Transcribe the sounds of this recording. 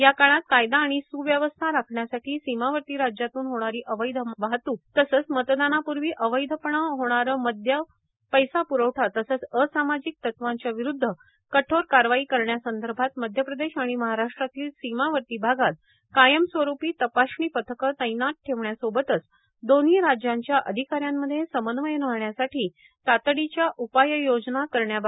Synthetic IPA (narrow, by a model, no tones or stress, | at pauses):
jakaɭ̃at̪kajd̪aːɽ̃isuːʋjəʋəst̪ʰaɾakʰɳjasaʈʰiːsimaʋəɾt̪iːɾad͡ʑjat̪uːnɦoɽ̃aɾiːʔəʋəjd̪ʱəʋaɦt̪uːt̪əsəːt͡smət̪d̪anapuɾʋiːʔəʋəjd̪ʱəpəɳəɦoɽ̃aɾəːməd̪ʱja | pəjsapuɾəʋʈʰat̪əsəːt͡səsamad͡ʑik̚t̪ət̪ʋãɲt͡ɕjaʋiɾud̪ʱːə | kəʈʰoɾkaɾʋaiːkəɾɳjasənd̪ʱəɾbʱat̪məd̪ʱjəpɾəd̪eɕaɽ̃iməɦaɾaʂʈɾat̪iːlsimaʋəɾt̪iːbʱaɡat̪̚ | kajəmsʋəɾupiːt̪əpaɕɳiːpət̪ʰəkət̪əjnat̪̚ʈʰeʋɳjasobət̪ət͡s | d̪oniːɾad͡ʑjãɲt͡ɕjaʔəd̪ʱikaɾjamːəd̪ʱːjesəmənʋəjnəɳjasaʈʰiː | t̪at̪ɽit͡ɕjaʔupajəjod͡znakəɾɳjab